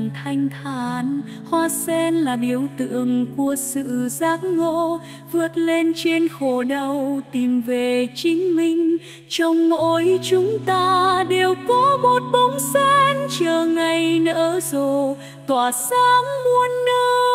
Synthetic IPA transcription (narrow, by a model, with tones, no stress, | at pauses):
ŋt̪ʰa˧jŋ̟t̪ʰaː˧˨˧n | hwaː˧sɛ˧nlaː˨˩ɗi˨˩əwt̪ɨ̰˧˨əŋku˨˧˩əsɨ̰˧˨zaː˧˥k̚ŋo̰˧˥ | vɨ˧˦˥ət̚le˧nt͡ɕe˧nxo˨˩ɗə˧˩wt̪i˨˩mve˨˩t͡ɕï˨˦ŋ̟mï˧ŋ̟ | t͡ɕɔ˧wŋ͡mmo̰˧˨˦jt͡ɕʊ˨˦ŋ͡mt̪aː˧ɗe˨˩wkɔ˨˦mo˨˩t̚ɓə˨˦wŋ͡msɛ˧˥nt͡ɕəː˨˩ŋa˨˩jnə̰ː˧˦zo˨˩ | t̪waː˨˩saː˧˦mːu˧ənːə˧